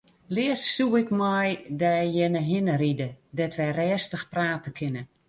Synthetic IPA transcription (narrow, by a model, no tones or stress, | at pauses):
lɪəssuɪkmɔjdɛjjɛnəɦɪnəɾidədɛtʋɛjrɛːstəxpraːtəkʰɪnə